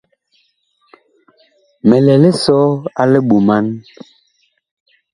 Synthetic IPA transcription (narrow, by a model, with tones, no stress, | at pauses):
mɛ˨lɛ˨lɛ˦sɔ˦a˦lɛ˦ɓu˨ma˦n